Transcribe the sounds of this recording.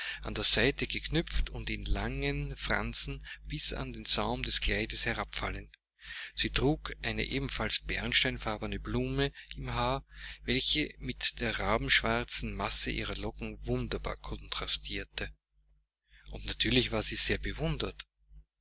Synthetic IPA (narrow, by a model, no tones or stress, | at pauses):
ʔandeːɐz̥aɪtəɡ̥əkʰnʏp͡ftʊntɪnla̰ŋənfʁa̰nt͡sn̩b̥ɪsa̰ndeːnzaʊmdɛskʰl̥aɪdəshɛɐʁapfa̰lənt | z̥iːtʁ̥uːkʔæɪnə̰ʔeːbm̩falsb̥ɛʁnʃtæɪnfaɐbɐnəbluːməʔɪmɦaːɐvɛlçəmɪtd̥eːɐʁaːbm̩ʃv̥aʁt͡sn̩masə̰ʔḭːʁɐlɔkŋ̩vʊndɐba̰ːɐkʰɔ̃ntʁ̥astʰiːɐtʰə | ʔʊntnatʰyːɐlɪçv̥aːɐz̥iːz̥eːɐbəvʊndɐt